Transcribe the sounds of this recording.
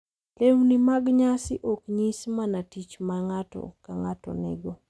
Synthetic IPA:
lewnimaɡɲasɪʔokɲismanatit͡ʃmaŋatɔ̰kaŋatɔ̰nɛ̰ɡo

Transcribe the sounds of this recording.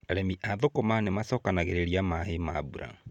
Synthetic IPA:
aɾɛmiʔaðokɔmanemasɔːkanaɣeɾeɾiamahemabuɾa̰ŋ

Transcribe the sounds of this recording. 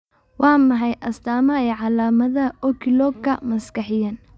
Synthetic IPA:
wʔɑːmɐħɑjʔɐst̪aːmɐɛːʕɑlaːmɐðɐɔkʰɪlɔːɡkʰɐmɐskɐħɪjɐn

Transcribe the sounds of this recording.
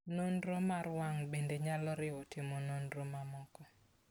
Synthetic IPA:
nonɾomaɾwaŋbendeɲalɔɾɪɔtɪmononɾomamɔkɔ

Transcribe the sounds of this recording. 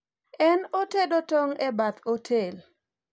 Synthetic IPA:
ɛnotedotoŋɛbat̪otʰel

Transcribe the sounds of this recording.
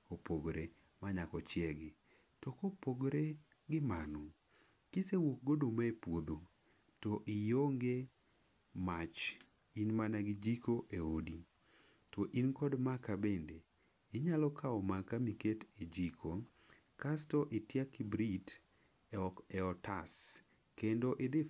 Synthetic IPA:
opoɡɾe | maɲakɔt͡ʃjɛɡɪ | tɔkopoɡɾe | ɡɪmanɔ | kisewok̚ɡodomaepwod̪o | tɔʔɪjoŋɡe | mat͡ʃ | inmanaɡɪd͡ʒikoʔeodi | tɔʔinkɔdmakabende | ɪɲalɔkʰaɔmakamiketed͡ʒikʰo | kastɔʔɪtjakɪbɾit | ɛɔtas | kendoʔɪd̪ɪ

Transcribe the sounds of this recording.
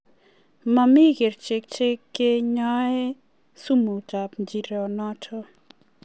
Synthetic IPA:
mamiɡeɾt͡ʃek̚t͡ʃekːeɲae | sumutapd͡ʒiɾɔnɔtʰɔ

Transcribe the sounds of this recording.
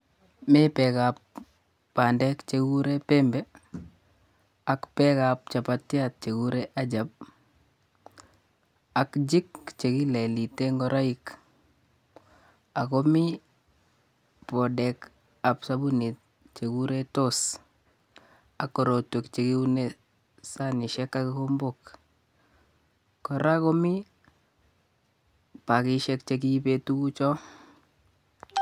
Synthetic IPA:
mɪpɛkapː | andɛkt͡ʃekuɾepɛmbɛ | akpɛkap̚t͡ʃapatːjat̚t͡ʃekuɾeʔad͡ʒap̚ | akd͡ʒikt͡ʃekileliteŋɡɔɾaik | akomi | pɔdɛk | apsabunit̚ | t͡ʃekuɾetos | akːɔɾotekt͡ʃekiune | sanɪʃɛkːakikombok | ɔɾakɔmi | pakɪʃɛkt͡ʃek̬ipetuut͡ʃɔ

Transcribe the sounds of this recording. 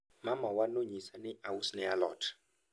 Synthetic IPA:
mamawanoɲisanɛawusnɛalɔ̰ːtʰḁ

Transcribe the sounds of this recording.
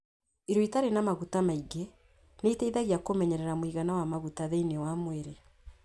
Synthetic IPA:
iɾoitaɾenamaɣutamaiɡe | neiteiðaɣiakomɛɲɛɾɛɾamwiɣanawamaɣutaðeinewamweɾe

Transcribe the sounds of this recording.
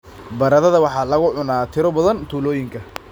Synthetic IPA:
bɐɾɐðɐðɐwɑħɑːlɐɣʊʕʊnaːt̪ʰɪɾɔbɐðɐnt̪ʰuːlɔːjɪŋkʰɐ

